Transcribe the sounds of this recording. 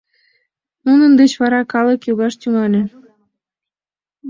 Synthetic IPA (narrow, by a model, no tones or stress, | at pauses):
nunə̆nd̪et͡ɕβɑɾɑkɑlɤ̆kjuɣɑʃt̪yŋɑlʲĕ